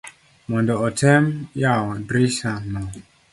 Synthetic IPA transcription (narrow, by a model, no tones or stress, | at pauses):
mɔ̃ndɔɔtʰɛmjawɔ̃dɾisanːɔ